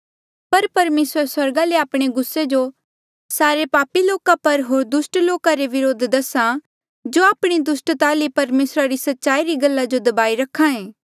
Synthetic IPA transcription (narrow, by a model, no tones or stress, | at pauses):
pɐɾpɐɾmeːsɾəɾswɐɾɡaleaːpɽ̃eɡʊsːed͡ʒo | saːɾepaːpiloːkapɐɾɦoːɾd̪ʊsʈloːkaɾeʋɪɾoːd̪ʱd̪ɐsã | d͡ʒoaːpɽ̃id̪ʊsʈt̪aːlepɐɾmeːsɾaɾisɐtːʃaːiɾiɡɐlːad͡ʒod̪ɐbaːiɾɐkʰːãẽː